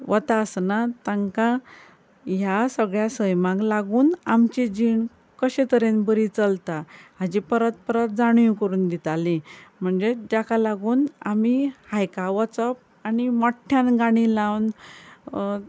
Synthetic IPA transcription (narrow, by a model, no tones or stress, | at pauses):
ʋət̪asnat̪ãŋka | jasəɡɭjasəjmãkɡlaɡuːnamt͡ɕid͡ʑiɳ | kəɕẽt̪əɾenbəɾit͡səlt̪aɦad͡ʑipəɾət̪̚pəɾət̪̚d͡zaɽ̃jũkəɾuːnd̪it̪alim̤əɳd͡zed͡ʑakʰalaɡuːnamihajkaʋət͡səp̚ | animɔʈʰːjãnɡaɽ̃ilãwn